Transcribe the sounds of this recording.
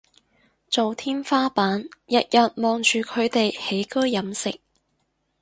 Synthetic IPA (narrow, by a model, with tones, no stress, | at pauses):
t͡so˨wt̪ʰiː˥nfaː˥paː˨˥njɐ˨t̚jɐ˨t̚mɔː˨ŋt͡ʃyː˨kʰɵ˨˧ɥt̪e˨jhe˨˥jkɵ˥ɥːɐ˨˧˥msɪ˨k̚